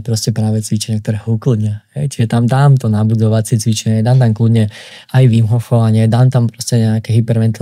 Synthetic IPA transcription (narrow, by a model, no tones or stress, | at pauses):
pɾɔscɛpɾaːʋɛt͡sʋit͡ʃɛɲɪak̚t̪ɔɾɛːɦɔuklɨd̪ɲahɛjt͡ʃiʒɛt̪amd̪aːmt̪ɔnabud̪ɔʋat͡sɪɛt͡sʋit͡ʃɛɲɛd̪aːmt̪amklud̪ɲɛ | ajʋimɦɔxɔʋaɲɪɛd̪aːmt̪ampɾɔscɛɲɛakɛɦipɛɾʋɛnt̪l